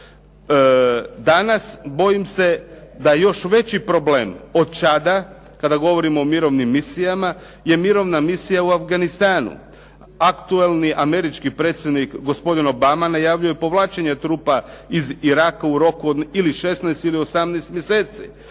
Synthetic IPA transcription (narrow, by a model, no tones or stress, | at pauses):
d̪anasbo̞jimse̞d̪ajo̞ʃʋe̞t͡ɕipɾo̞bleːmo̞d̪̚t͡ʃad̪a | kad̪aɡo̞ʋo̞ɾimoːmiɾo̞ʋnimːisijama | je̞miɾo̞ʋnamisijauafɡanist̪aːnṵ | akt̪uelˠniʔame̞ɾit͡ʃkipɾe̞ːt̪sjed̪nikɡo̞spo̞d̪ino̞bamanajaʋʎujepo̞ʋlˠaːt͡ʃeɲet̪ɾuːpaiziɾakauɾo̞kuod̪iliʃe̞snaest̪ilio̞samnɛːst̪mjeseːt̪si